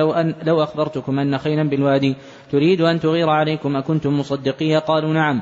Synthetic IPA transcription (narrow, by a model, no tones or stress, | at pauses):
lawʔaxbɑɾˤt̪ʊkʊmʔanːaxajnanbɪlwaːd̪iː | t̪ʊɾiːd̪ʔant̪ʊɣiːɾʕalajkʊmʔakʊnt̪ʊmːʊsˤɑd̪ːɪqiːjaqɑːluːnaʕam